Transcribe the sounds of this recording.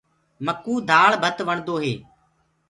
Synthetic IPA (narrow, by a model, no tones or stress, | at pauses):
məkːuːd̪ʱaːɭbʱət̪ʋəɳd̪oːɦeː